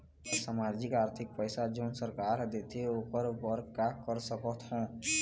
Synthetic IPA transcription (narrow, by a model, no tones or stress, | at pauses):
saːmaːɾd͡ʒɪkaːɾt̪ʰɪk̚pəɪsad͡ʒoːnsəɾkaːɾd̪eːt̪ʰeokəɾbəɾkkakəɾsəkɔt̪ɦõː